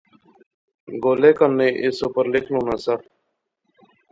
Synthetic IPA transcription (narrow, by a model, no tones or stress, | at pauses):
ɡoːleːkənːẽːʔɪsoːpəɾlɪkʰlõːnaːsə